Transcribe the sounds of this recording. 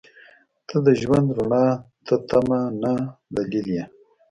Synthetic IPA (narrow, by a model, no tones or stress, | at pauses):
t̪ʰəd̪əʒwand̪ɾaɳɑt̪ʰət̪ʰamanad̪alilja